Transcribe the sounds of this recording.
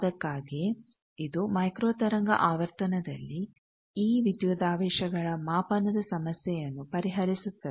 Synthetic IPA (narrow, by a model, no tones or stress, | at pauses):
d̪ɐkːaːɡi | id̪umɐjkɾoːt̪ɐɾɐŋɡɐ̰ʔaːʋɐɾt̪ɐnɐd̪ɐlːi | iːʋid̪juːd̪aːʋɛːʃɐɡɐɭɐmaːpɐnɐd̪ɐsɐmɐsjɛjɐnːupɐɾiɦɐɾisut̪ːɐe